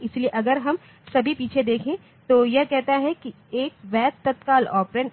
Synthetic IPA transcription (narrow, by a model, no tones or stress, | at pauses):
ɪslieʔɐɡəɾɦɐm | sɐbʱipiːt͡ʃʰed̪eːkʰẽː | t̪oːjɐɦkɛɦt̪aɦɛki | eːk̚ʋɛːt̪t̪ːɐt̪kaːlɔːpɾen